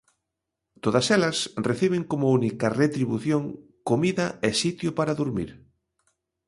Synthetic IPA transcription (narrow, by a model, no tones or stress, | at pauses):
t̪oðɐsɛlɐsreθiβ̞eŋkomʊunikɐret̪ɾiβuθjoŋ | komiðɐesit̪jʊpaɾaðuɾmḭɾ